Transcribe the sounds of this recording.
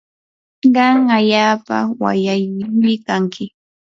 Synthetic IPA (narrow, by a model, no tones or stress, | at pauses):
ɢɑŋaʎaːpa̰wa̰jajʊŋmɪkaŋkʰɪ